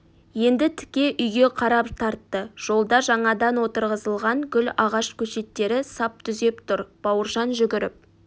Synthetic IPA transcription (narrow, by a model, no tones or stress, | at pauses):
je̞nd̪ɪt̪ʰɪ̥kʲe̞ʔʏjɡʲe̞qʰɑɾɑpt̪ʰɑɾt̪ːəʒ̥o̞lˠd̪ɑʒɑɴɑd̪ɑnwot̪əɾʁəzəlˠʁɑŋɡʲʏlɑʁɑʃkʲʰɵʃe̞t̪ːe̞ɾɪsɑp̚t̪ʰʏze̞pt̪ʰʊɾb̥ɑwəɾʒɑnʒʏɡʲɪɾɪ̰p̚